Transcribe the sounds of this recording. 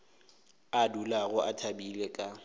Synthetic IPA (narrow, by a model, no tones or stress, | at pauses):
adulaɣʊʔatʰabilɛkʼa